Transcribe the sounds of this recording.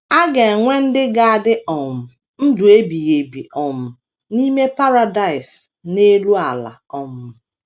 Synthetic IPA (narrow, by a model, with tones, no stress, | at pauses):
a˦ɡe˨ŋʷe˦n̩˦dɪ˦ɡa˨a˨dɪ˦ʔɔ˨m̩˨ | n̩˦dʊ˨e˦bi˨je˨bi˨ʔɔ˨m̩˨ | ni˦me˦pa˦ɾa˨da˨ɪ˨s | ne˦lu˦a˨la̰˨ɔ˨mʊ˨